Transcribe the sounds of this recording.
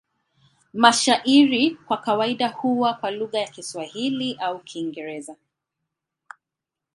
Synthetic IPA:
maʃaʔiɾikwakawaiɗahuwakwaluɣajakiswahiliʔaukʰiːŋɡɛɾɛza

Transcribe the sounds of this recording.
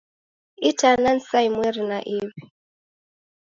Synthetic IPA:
itanan̩saimwɛɾinaʔiβi

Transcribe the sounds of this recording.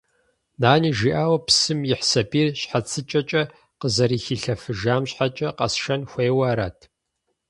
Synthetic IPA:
naːniːʒiːʔaːwɐpsɨmjɪħsɐbiːrɕħat͡sʰɨt͡ʃʼɐt͡ʃʼɐ | qəzɐɾiːxiːɬɐfɨʒaːmɕħat͡ʃʼɐqɐ̰sʃɐnxʷeːwɐːɾaːtʰ

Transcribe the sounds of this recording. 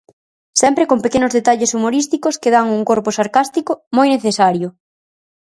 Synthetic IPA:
sɛmpɾekompekenʊzðet̪aʎesumoɾist̪ikʊskeð̞aŋuŋkoɾpʊsaɾkast̪ikʊmojneθesaɾjʊ

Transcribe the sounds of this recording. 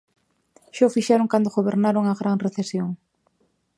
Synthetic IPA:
ʃafiʃɛɾoŋkand̪oɣoβeɾnaɾoŋaɣɾaŋreθesjoŋ

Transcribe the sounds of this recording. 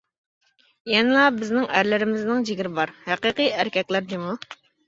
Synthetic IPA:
jɛnɪlˠɑbɪznɪŋæɾlɪɾɪmɪznɪŋd͡ʒiɡʲiɾɪbɑɾhæqiqɨæɾkʲɛkʲlæɾd̪ɪmu

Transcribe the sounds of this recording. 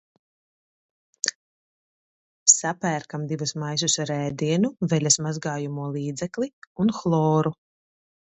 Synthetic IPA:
sapæːɾkamd̪ivusmajs̬usɾɛːd̪iɛnuvɛlʲasmazɡaːjumuɔlˠiːd̪zɛkliunxlˠɔːɾu

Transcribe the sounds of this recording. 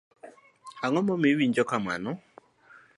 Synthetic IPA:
aŋɔmɔmewiɲd͡ʒɔkama̰nɔ

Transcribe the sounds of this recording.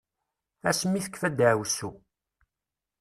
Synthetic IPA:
æ̰smːiθə̥kːfæd̪ʕwsu

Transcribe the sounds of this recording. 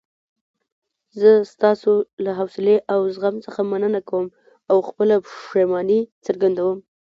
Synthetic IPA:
zəst̪ɑsolaɦawsɪleʔawzɣamsəxamanənakawəm | awxpəlaʃemɑnit͡səɾɡand̪awəm

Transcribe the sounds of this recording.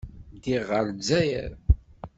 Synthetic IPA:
d̪iʁəɾd͡zːæjæ̰ɾ

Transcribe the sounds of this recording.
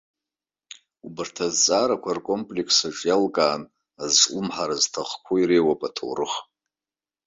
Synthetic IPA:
ubɨrtʰazt͡sʼaːɾakʷʰarkʷʼompʼlekʰsaʈ͡ʂʼjalkʼaːn | azt͡ʃʼʊmħaɾaztʰaχkʷʰuiɾejwapʼatʰo̰wrɨχ

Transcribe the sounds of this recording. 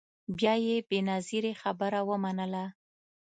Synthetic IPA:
bjɑjebenaziɾexabəɾawəmanəla

